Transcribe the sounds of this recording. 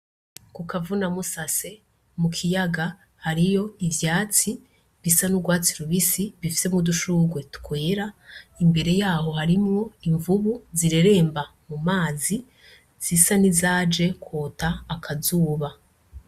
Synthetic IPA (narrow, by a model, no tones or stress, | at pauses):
kukavunamusase̞ | mukʰijaɡa | haɾijo̞ivjaːt͡si | βisanuɡwaːt͡siɾuβisiβifi̥se̞muduʃuːɡwe̞tu̥kʰwe̞ːɾaimbe̞ɾe̞jaːho̞haɾimŋo̞iɱvuβuziɾe̞ɾe̞ːmbamumaːzi | z̥isanizaːd͡ʒe̞kʰwoːtaːkʰazuːβa